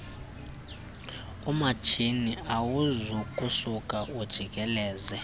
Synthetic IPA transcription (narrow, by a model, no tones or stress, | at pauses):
umat͡ʃʰiniawuzɔkʼusukʼaud̥ʒ̥ʱikʼɛlɛːzɛ